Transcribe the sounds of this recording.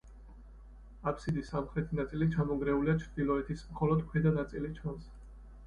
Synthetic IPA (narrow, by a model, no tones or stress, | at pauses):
apʰsid̪isːamχɾɛt̪ʰinat̪sʼilit͡ʃʰamɔɡɾɛuliat͡ʃʰɾd̪̥ilɔɛt̪ʰismχɔlɔd̪mχɾid̪anat̪sʼilit͡ʃʰans